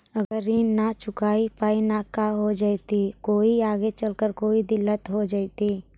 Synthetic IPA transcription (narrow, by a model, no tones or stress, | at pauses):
ɐɡəɾinat͡ʃʊkaːipaːinakaɦod͡ʒaːit̪ikoːiaːɡet͡ʃəlkəɾkoːid̪ɪlːət̪ɦod͡ʒaːit̪i